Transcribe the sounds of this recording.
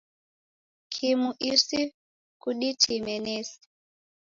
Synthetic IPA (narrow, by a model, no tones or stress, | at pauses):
kʰimuʔisi | kuɗitʰimɛneːsi̥